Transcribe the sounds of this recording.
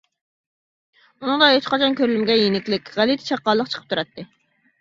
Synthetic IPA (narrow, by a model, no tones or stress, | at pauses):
unɨŋd̪ɑɦet͡ʃqʰɑt͡ʃʰɑnkʲʰøɾylymɡʲɛjenɪkʲlɪkʲʁælit̪ʰɪ̥t͡ʃʰɑqːɑlˠːəq̚t͡ʃʰə̥qʰə̥pt̪uɾɑt̪ʰːɨ